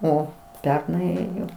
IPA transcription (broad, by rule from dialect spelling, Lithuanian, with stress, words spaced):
ˈoː ˈpʲɛrnɐɪ ˈeːjoː